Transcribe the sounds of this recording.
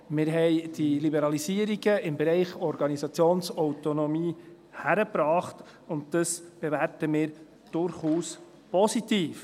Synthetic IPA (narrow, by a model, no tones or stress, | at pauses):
mɪːɾɦɛɪd̥ilibɛɾɑlisiːəɾiɡəɪmbeɾɛɪχɔɾɡ̥ɑnisɑt͡sjoːnsɔwtonɔmiː | hæɾəpɾɑːχt | ʊnt̚d̥əsb̥evæɾtəmɪːɾ | d̥ʊɾχuːs | pɔsitiːf